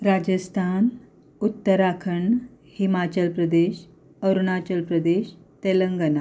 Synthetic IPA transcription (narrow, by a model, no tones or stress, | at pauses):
ɾad͡ʑəst̪ʰan | ut̪ːəɾakʰəɳ | himat͡ɕəlpɾəd̪eɕ | əɾuɳat͡ɕəlpɾəd̪eɕt̪eləŋɡəna